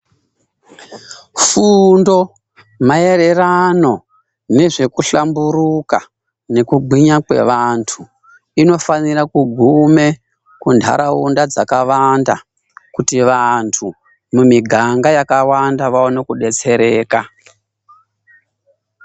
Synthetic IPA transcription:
fundo̞ | mae̞ɾe̞rano̞ | ne̞ʐe̞kuɬamburuka̰ | ne̞kuɡʱwiɲakwe̞̰ʋantʰu | ino̞fanirakuɡʱume̞ | kundʱa̰ɾaundad͡zakaʋanda̰ | kutiʋantʰu | mumiɡʱaŋɡajakawandaʋaonokuɗe̞t͡se̞ɾe̞ːka

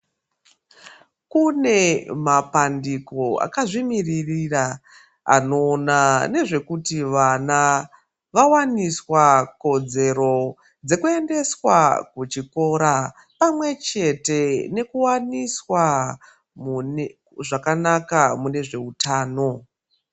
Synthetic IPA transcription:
kune̞mapandiko̞a̰kaʐimiririra | a̰no̞ːnane̞ʐe̞kutiʋana | ʋawaniswako̞d͡ze̞ɾo̞ | d͡ze̞kue̞nde̞swakut͡ʃiko̞ɾa | pamwe̞t͡ʃe̞te̞ne̞kuwaniswa | ʐakanakamune̞ʐe̞utʰaːno̞

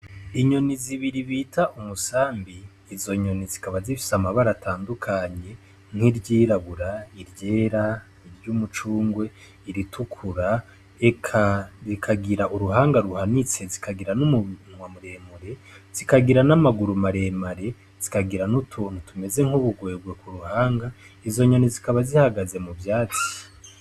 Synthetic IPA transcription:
iɲo̞niziβiɾiβitʰaʔumusaːmbiː | zo̞ɲo̞nizikaβazifi̥samaβaɾataːndukʰaɲe̞ | ŋ̥hiɾɟiːɾaβuɾaiɾɟe̞ːɾa | iɾjumut͡ʃuːŋɡwe̞ | iɾitʰukʰuɾa | ekʰazikʰaɡiɾaʔuɾuɦaːŋɡaɾuhanit͡sezikʰaɡiɾanumunŋwamuɾe̞ːmuɾe̞z̥ikaɡiɾanamaɡuɾumaɾe̞maɾe̞ | z̥ikaɡiɾanutʰuːn̥hutume̞ze̞ŋ̥uβuɡweːbɡwe̞kuɾuhaːŋɡa | izo̞ɲonizikaβazihaɡaze̞mubjaːt͡si̥

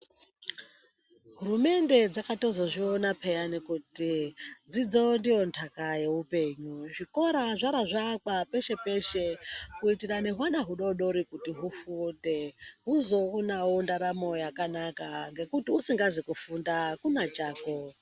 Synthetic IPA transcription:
ɦuɾume̞nde̞d͡zakato̞zo̞ʐionapʰejanikutid͡zid͡zo̞ndijo̞ntʰakaje̞upe̞ːɲuʐiko̞ɾaʐaɾaʐakwape̞ʃe̞pe̞ʃe̞kuitirane̞ɦwaɗaɦuɗo̞ɗo̞ɾikutiɦufunde̞ɦuzo̞unaondaɾamo̞jakanakaŋɡe̞kutiusiŋɡazikufundakunat͡ʃaːko

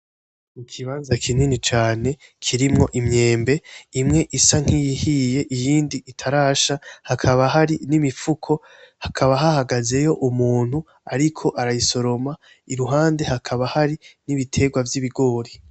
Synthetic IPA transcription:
mikʰiβaːnzakʰininit͡ʃaːne̞kʰiɾimŋo̞ʔimɲe̞ːmbe̞imŋe̞ʔisaŋ̥hijihije̞ʔijiːndiʔitʰaɾaːʃahakʰaβaɦaɾinimifukʰo̞ | hakʰaβaɦahaɡaze̞jo̞ʔumuːn̥hu | aɾikʰo̞ʔaɾajiso̞ɾo̞ma | iɾuɦaːnde̞hakʰaβahaɾiniβitʰe̞ːɡwavjiβiɡo̞ːɾi

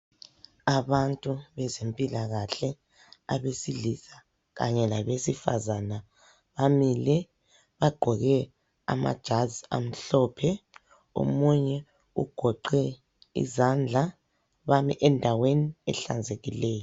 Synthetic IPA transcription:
aβantʼuβɛzempʼilaɣaɬɛ | a̰βesilisa | ɣa̰ɲɛlaβesifa̰zana | βamilɛ | βaɡ͡ǃ̥ʱɔɣɛ | a̰ma̰d̥ʒ̥ʱazia̰m̩ɬɔpʰɛ | o̰muɲɛ | ṵɡ̥ʱɔǃɛ | ḭzand͡ɮʱa | βamiʔɛndʱaweniɛ̰ɬa̰nd͡zʱeɣilɛːjɔ

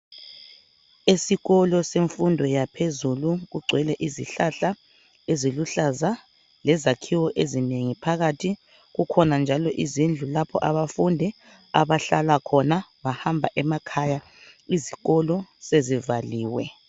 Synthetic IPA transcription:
esiɣɔlɔseɱfundʱɔjapʰezuluɣuɡ͡ǀʱwɛlɛʔiziɬaɬa | eziluɬaza | lɛzakʰiwɔʔezineŋipʰaɣatʰi | ɣukʰɔnand͡ʒʱalɔʔizind͡ɮʱulapʰɔ̰ʔaβafundʱɛ | aβaɬalakʰɔnaβahambʱaʔɛmakʰaja | iziɣɔlɔsezivaliːwɛ

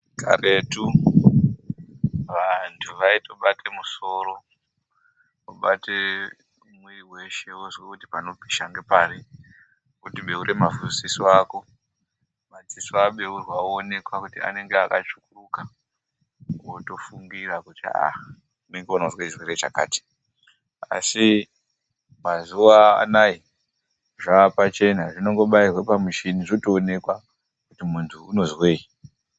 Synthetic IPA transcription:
ka̰ɾe̞tu | ʋantʰuʋaito̞ɓatʰe̞muso̞ːɾo | oɓate | mweiwe̞ʃe̞ozwekuti̥pano̞bʱiʃaŋɡe̞paɾi | kutiɓe̞uɾʔe̞mavusisiaːko̞ | mad͡zisuaɓeurwaone̞kwakutia̰ne̞ŋɡeakat͡ʃukuruka | woto̞fuŋɡirakutḭa̰ | une̞ŋɡeonazwet͡ʃirweɾe̞t͡ʃa̰ka̰ːti̥ | a̰si | mazuaa̰nai | ʐaːpat͡ʃe̞naʐino̞ŋɡo̞ɓairwapamiʃiniʐotoːne̞kwa | kutimuntʰuːno̞zwe̞ːi

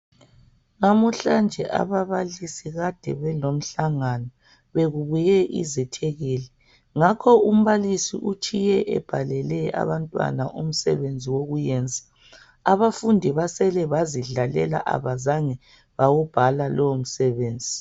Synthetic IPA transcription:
ŋamuɬand͡ʒʱɛʔa̰βaβalisiɣad̥ʱɛβɛlom̩ɬaŋanɔ | βeɣuβujɛʔḭzɛtʰɛɣiːlɛ | ŋakʰɔum̩βalisḭʔut͡ʃʰʼijɛʔɛ̰b̥ʱalɛlɛa̰βantʼwa̰naʔum̩sɛ̰βend͡zʱiwoɣujɛːnd͡zʱḁ | aβafundʱiβasɛlɛβaziɮalɛ̰la̰ʔa̰βazaŋɛ | βawub̥ʱalalʔɔwom̩sɛβeːnd͡zʱi

